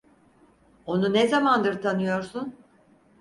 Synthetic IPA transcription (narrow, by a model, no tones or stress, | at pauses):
o̞nunɛzamand̪ɯɾt̪ʰanɯjo̞ɾsun